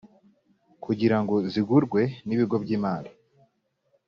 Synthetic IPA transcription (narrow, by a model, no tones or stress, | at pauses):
kʰuɟiɾaŋɡo̞ziɡuɾɡwe̞niβiɡo̞bɟiːmaːli